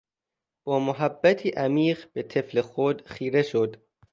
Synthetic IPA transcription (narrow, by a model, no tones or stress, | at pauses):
b̥ɒːmoɦæbːæt̪ʰiːʔæmiːɢb̥e̞t̪ʰe̞fle̞xod̪xiːɾe̞ʃod̪̥